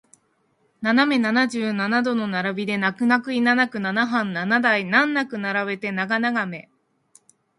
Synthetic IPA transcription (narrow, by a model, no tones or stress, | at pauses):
naname̞nanaʑɨːnanad̪o̞no̞naɾabʲid̪e̞nakɯ̟nakɯ̟inanakɯ̟nanaɦãnːanad̪ainãnːakɯ̟naɾaβe̞t̪e̞naɡanaɡame̞